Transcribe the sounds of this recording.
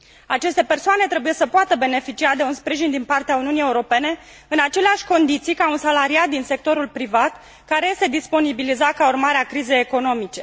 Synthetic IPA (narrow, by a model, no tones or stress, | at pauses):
at͡ʃe̞st̪e̞pe̞rsoane̞t̪ɾebuje̞səpoat̪əbe̞ne̞fit͡ʃiad̪e̞unspɾiʒind̪inpart̪eauniunije̞uɾo̞pe̞ne̞ | ɨnat͡ʃe̞leaʃʲko̞nd̪it̪sijkaunsalaɾiat̪̚d̪inse̞k̚t̪o̞ɾulpɾivat̪ | kaɾe̞jest̪e̞d̪ispo̞nibilizakaurmaɾeakɾize̞jeko̞no̞mit͡ʃe̞